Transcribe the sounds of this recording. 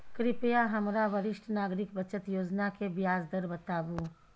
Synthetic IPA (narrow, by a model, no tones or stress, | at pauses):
kɾɪpjaɦɐmɾaʋəɾɪʃʈʰnaːɡɾɪkbɐt͡ʃət̪joːd͡ʒnakebjaːzd̪əɾbət̪aːbuː